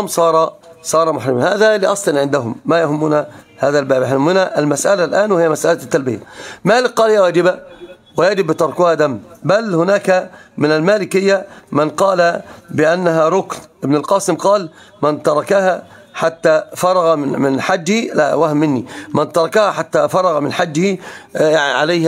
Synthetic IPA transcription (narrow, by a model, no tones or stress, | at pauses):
msˤɑːɾˤɑsˤɑːɾˤɑmʊħɾɪmanhaːðaliːʔɑsˤlɑnʕɪnd̪aɦʊmːajahʊmːuːna | haːðalbaːbaħʊmːʊnaʔɪlmasʔalalʔaːnwɪhɪjːamasʔalat̪ːalbɪja̰maːlɪk̚qɑːlɪjːawaːd͡ʒɪba | wɪjad͡ʒɪbːɪt̪ɑɾˤkʊhad̪amːbalhʊnaːkamɪnalmaːlɪkhɪjːamɪnqɑːlabɪʔanːaɦaɾˤʊknʔɪbnalqɑːsɪmqɑːl | mɪnt̪ɑɾˤɑkaha | ħat̪ːafɑɾˤɑɣɑɪmɪnħad͡ʒːhila̰wahmːɪnːimant̪ɑɾˤɑkahaħat̪ːafɑɾˤɑɣamɪnħad͡ʒːhijaʕiʕalajh